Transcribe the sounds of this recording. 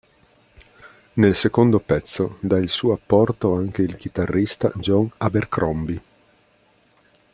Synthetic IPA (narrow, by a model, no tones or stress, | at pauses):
nelsekond̪opɛt̪sːod̪ailsuːoapːɔrt̪oaŋk̟eilk̟it̪arːist̪a̰d͡ʒɔŋaberkɾɔmbi